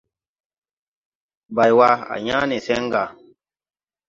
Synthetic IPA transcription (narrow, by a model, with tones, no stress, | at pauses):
ba˨jwa˧a̰˨ɲã˦ni˨sɛ˦ŋ˦ɡa˨